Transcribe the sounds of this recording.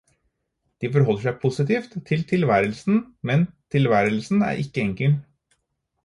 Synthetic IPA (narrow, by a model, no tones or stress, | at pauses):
d̪̥iːfɔɾɦɔlːəʂæɪpʰʊsɪt̪ʰiːft̪ʰːɪlt̪ʰɪlʋæːɾəlsn̩mɛnt̪ʰɪlʋæːɾəlsn̩æ̰ːɾʔɪkːəɛŋkəl